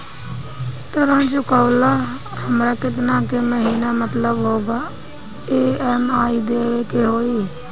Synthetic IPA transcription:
t̪əɾə̃ːd͡ʒʊkaːlaː | həmɾaːkɪt̪̬naːkeməɦiːnaːmət̪ləbɦoːɡaː | eːɛːmaːiːd̪eːʋeːkeɦoːiː

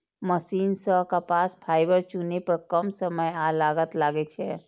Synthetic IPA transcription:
məʃiːnsəɦkapaːspʰaːibəɾt͡ʃunepəɾkəmsəməjalaːɡət̪laːɡet͡ʃʰɛː

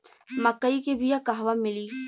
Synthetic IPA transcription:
mɐkːəikebʱijakaɦʋamɪliː

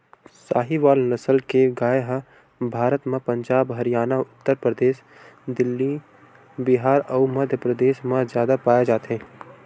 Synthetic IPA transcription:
sa̰ːɦiʋaːlnɐsəlkeɡaːeɦə | bʱaːɾət̪mẽpə̃ɲd͡ʒaːbɦɐɾijaːnaʊt̪ːəɾpɾəd̪eːʃ | d̪ɪlːi | bɪɦaːɾɔːmɐd̪ʱjəpɾəd̪eːʃmãzjaːd̪apaːjed͡ʒaːt̪ɦɛ̃ː

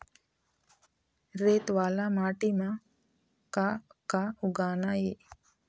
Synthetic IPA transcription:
ɾet̪ʋalamaːʈima | kakauɡanaje

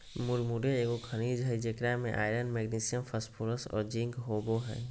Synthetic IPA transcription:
mʊɾmuɖeeːɡokʰənid͡ʒɦəid͡ʒekɾamḛ̃ʔa̰ːɪɾənmɛɡnisijəmfʰəspʰuɾəsɔ̰ːɾd͡ʒĩŋkɦoːboɦɛ̰ː

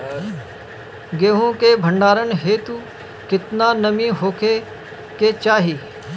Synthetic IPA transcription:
ɡeːɦõkebʱə̃ɳɖaːɾənɦeːt̪uː | kɪt̪naːnəmĩɦoːkʰe | ket͡ʃaːɦiː

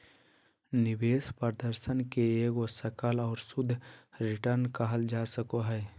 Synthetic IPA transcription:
nɪbeːspəɾd̪əɾsənkeeːɡosəkəlɔːɾsʊd̪ʱːɾɪʈəɾnkaɦəld͡ʒaːsəkoɦɛː

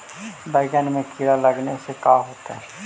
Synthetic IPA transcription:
baɪɡənmẽkʰiɾaləɡnesekaːɦoːt̪aɦɛ

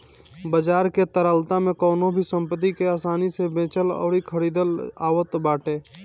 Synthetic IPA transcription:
bəd͡ʒaːɾket̪əɾəlt̪amẽkɔːnõbʱisə̃mpət̪̬ikeaːsaːnisebẽːt͡ʃəlɔ̰ːɾikʰəɾiːd̪əla̰ːwət̪baːʈʰeː

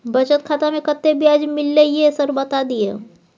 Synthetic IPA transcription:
bɐt͡ʃət̪̚kʰaːt̪amẽkət̪ːebʱiad͡ʒmɪlːeiesəɾbɐt̪ad̪iḛ

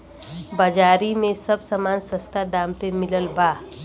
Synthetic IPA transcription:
bɐd͡ʒaːɾimẽsɐbsəmaːnsə̃st̪ʰad̪aːmt̪emɪləlbaː

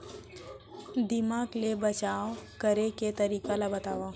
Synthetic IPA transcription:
d̪ɪmaːklebɐt͡ʃaːokəɾeket̪ɐɾiːkalabɐt̪aːʋa

